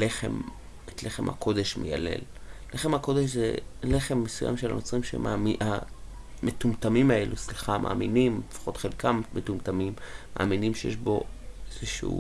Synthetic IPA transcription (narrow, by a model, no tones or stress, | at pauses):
leχḛm | etleχemha̰kʰo̞deʃmeja̰lḛl | leχemhako̞deʃzḛle̞χemːesuja̰mʃela̰not͡sʁimʃḛmaametumtamimaelusliχamʔa̰ːminimlefḁχo̞tχelkammetumtamimːa̰ːminimʃejeʃbo̞ezeʃuṵ